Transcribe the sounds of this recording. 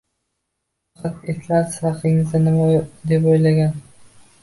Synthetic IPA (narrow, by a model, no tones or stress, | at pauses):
fɑqʰɑt̪et̪laɾshɑqɪŋɪzd̪anɪmad̪e̞pojlaɡʲan